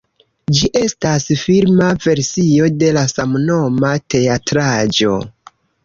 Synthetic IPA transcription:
d͡ʒiʔe̞stasfilmave̞ɾsio̞de̞lasamno̞mate̞atɾad͡ʒo̞̰

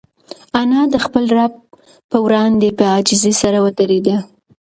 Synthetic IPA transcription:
anɑd̪əxpəlɾab̚ | pəwɾɑnd̪epəɑd͡ʒɪzesaɾawət̪əɾed̪a

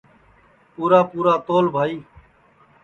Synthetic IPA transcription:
puːɾaːpuːɾaːt̪oːlbʱaːiː

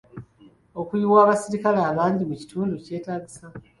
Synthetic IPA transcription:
o̞kuiwaːβasiɾikaleaːβaːndimuci̥tʰuːnduce̞ːtaːɡisa

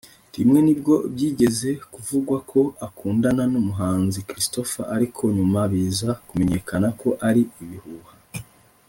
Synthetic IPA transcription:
dimŋe̞nibɟo̞bjiːɟe̞ze̞kuvuɡwakʰo̞akuːndananumuɦaːnzikɾisto̞fa̰aɾikʰo̞ɲumaβiːzakumeɲe̞kʰanako̞ʔaɾiiβihuːha

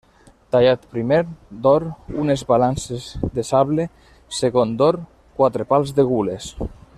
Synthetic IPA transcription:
t̪aʎat̪pɾimeɾd̪oɾunezβalansezd̪esaβle | seɣond̪oɾ | kwat̪ɾepalˠzðeɣules

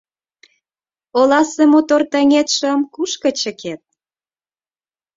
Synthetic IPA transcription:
olɑsemot̪ort̪əŋet̪ʃəmkuʃkə̆t͡ɕə̆kʰet̪̚

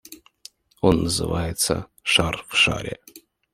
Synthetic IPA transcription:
o̞nːəzɨ̰vajɪt̪sə̰ | ʂarfʂa̰ɾʲɪ

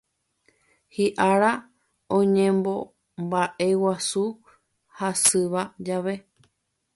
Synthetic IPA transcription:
hiʔaɾa | õɲẽmbo̞ | mbaʔewasu | hasɨʋad͡ʒaʋe̞

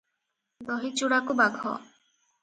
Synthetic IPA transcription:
d̪ɔɦit͡ʃuɽakubaɡʱɔ̰

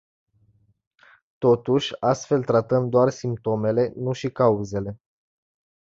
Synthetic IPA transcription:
t̪o̞t̪uʃʲast̪fe̞lt̪ɾat̪əmd̪oarsimp̚t̪o̞me̞le̞nuʃikauze̞le̞

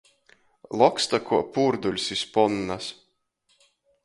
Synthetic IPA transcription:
lˠɔkst̪akʰuɔpuːɾd̪ulʲsispɔnːas

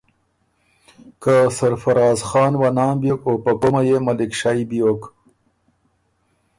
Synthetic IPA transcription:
kasaɾfaɾɑːzxɑːnwanɑːmbjokopɐkomajemalɪkʂaibijok

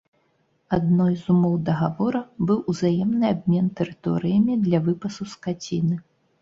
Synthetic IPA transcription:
ad̪nɔjzumɔwd̪ɐɣavɔɾɐbɨwʔuzajɛmnɨabʲmʲɛnt̪ɛɾɨt̪ɔ̰ɾɨjɐmʲid̪lʲɐvɨpɐsuskat͡sʲinɨ

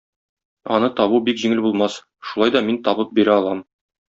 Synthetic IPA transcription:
ɒ̰nɤt̪ɒβubikʑiŋɘlbulˠmɑs | ʃulˠɑjd̪ɒmint̪ɒbɤp̚biɾæɒlˠɑm

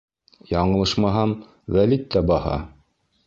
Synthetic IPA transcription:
jɑɴɤ̆lˠɤʃmɑɦɑn | wælit̪ːæbɑhɑ̰

